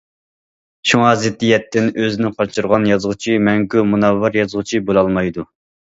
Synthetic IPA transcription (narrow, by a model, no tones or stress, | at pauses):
ʃuŋɑzɪt̪ːijɛt̪ʰːɪnøzɪnɪqʰɑt͡ʃʰɨɾʁɑnjɑzʁʊt͡ʃʰimɛŋɡumunɑvːɑɾjɑzʁʊt͡ʃʰibolˠɑlˠmɑjd̪u